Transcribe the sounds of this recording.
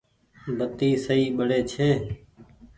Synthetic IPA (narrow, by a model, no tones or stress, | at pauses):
bʱət̪iːsəiːɓəɽeːt͡ʃʰeː